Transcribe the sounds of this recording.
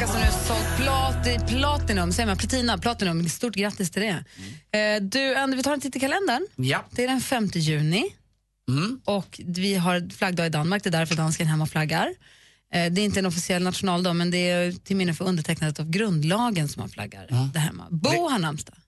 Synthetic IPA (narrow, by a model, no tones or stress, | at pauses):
asɔmʉsɔpʰlɑːtd̪ɛpʰlɑːt̪ɪnɵmːsɛjəmanpʰlat̪ʰiːnapʰlɑːt̪ɪnɵmːnd̪ɛst̪uːʈɡɾat̪ːɪst̪ʰɪld̪ɛ | d̪ʉand̪əɾvɪt̪ʰɑɾɛnʰɪt̪ːɪkʰalɛnd̪əɳjd̪̥ɛæɖɛnfɛmt̪əjʉ̟ːnɪ | ɔkvɪɦaɾflaɡd̪ɑːɡɪd̪anːmaɾk̚d̪ɛːd̪æɾfœɾd̪anskənɦɛmːaɔflaɡːaɾ | d̪ɛːɾɪnt̪əɛnɔfɪsɪɛlːnat̪ɧʊnɑːld̪ɑːmɛnd̪ɛt̪ʰɪlmɪnːəfœɾɵnd̪əʈʰɛk̚ːnand̪ət̪avɡɾɵnd̪lɑːɡənsɔmːa̰nfla̰ɡːa̰ɾd̪æɾɦɛ̰mːa̰buhaɳːamst̪ḁ